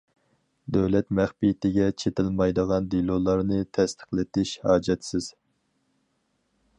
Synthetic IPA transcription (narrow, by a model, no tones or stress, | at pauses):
d̪øwlɛt̪mæχpijt̪ɪɡʲɛt͡ʃʰet̪ɪlmɑjd̪əʁɑnd̪ilˠulˠɑɾnɨt̪ʰɛst̪ʰə̥χlˠɪt̪ɪʃhɑːd͡ʒɛt̪sɪz̥